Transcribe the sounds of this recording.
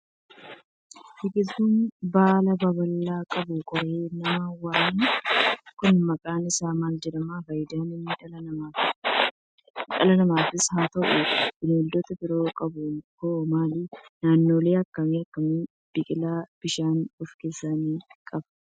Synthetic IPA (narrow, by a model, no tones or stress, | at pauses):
bɪkɪuːnbaːlɐbɐbɐlːaːkʼɐbʊkʼɔɾeːnɐmɐwaːninkʊnmɐkʼaːnɪsaːmaːld͡ʒɛdɐmaːfɐjd̪aːnɪnː | ᶑɐlɐnɐmaːfɪshaːt̪ɐʔʊbɪnoːld̪ɔt̪ɐbɪɾoːkʼɐbʊmkoːmaːliːnaːnːoːle̞ːɐkːɐmiːɐkːɐmiː | b̥ɪkʼɪlaːb̥ɪʃaːnɔfkeːsːaːniːkʼɐbɐ